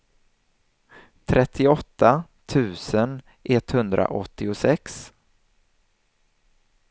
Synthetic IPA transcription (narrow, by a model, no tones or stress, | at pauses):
t̪ʰɾʔɛt̪ʰːɪɔt̪ːa | t̪ʰʉ̟ːsən | ʔɛt̪hɵnd̪ɾa̰ʔɔt̪ʰːɪʊsɛks